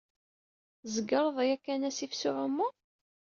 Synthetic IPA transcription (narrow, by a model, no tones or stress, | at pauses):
zəɡɑɾˤəðˤjækːænæsifsʊʕʊmːʊ